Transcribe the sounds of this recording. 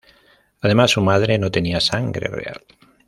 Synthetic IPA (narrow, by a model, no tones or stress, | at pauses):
að̞emasːumað̞ɾe̞not̪e̞niasaŋɡɾe̞̰re̞̰a̰l